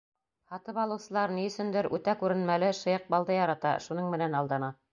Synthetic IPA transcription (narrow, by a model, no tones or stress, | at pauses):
hɑt̪ɤpɑlˠɤ̆wsɤ̆lˠɑɾniɵ̆sɘ̆nd̪ɘɾʉt̪ækʉɾɘ̆nmælɘʃɤ̆jɤq̚bɑlˠd̪ɤjɑɾɑt̪ɑ̰ʃunɤɴmɘ̆nænɑlˠd̪ɑnɑ